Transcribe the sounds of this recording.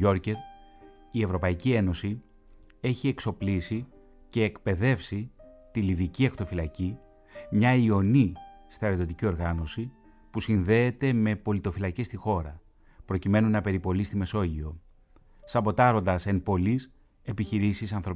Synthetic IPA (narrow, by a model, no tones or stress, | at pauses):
o̞ɾce̞ɾ | ie̞vɾo̞pɐicie̞no̞si | e̞çie̞kso̞plisi | ce̞ːkpe̞ðe̞fsit̪iliðiciɐxt̪o̞filɐci | mɲɐio̞nist̪ɐɾet̪o̞t̪icio̞ɾɣɐno̞si | pusinðe̞ːt̪e̞me̞po̞lit̪o̞filɐcest̪ixo̞ɾɐ | pɾo̞cime̞nunɐpe̞ɾipo̞list̪ime̞so̞ʝio̞ | sɐpo̞t̪ɐɾo̞nd̪ɐse̞npo̞lis | e̞piçiɾisisɐnθɾo̞p